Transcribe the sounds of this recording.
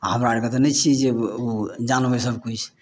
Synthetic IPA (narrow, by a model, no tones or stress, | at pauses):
ɦəmɾaɾket̪ɔnɛt͡ʃʰid͡ʒeod͡ʒanbesəbkut͡ʃʰ